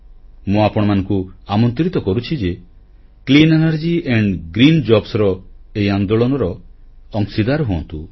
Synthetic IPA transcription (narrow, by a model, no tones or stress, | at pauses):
mũapɔɽ̃ɔmanɔ̃ŋkuamɔnt̪ɾit̪ɔkɔɾut͡ʃʰid͡ʒe | klinenaɾd͡ʒieɳɖɡɾind͡ʒɔbsɔɾɔejand̪ɔɭɔnɔɾɔːŋsid̪aɾɦuɔ̰̃nt̪u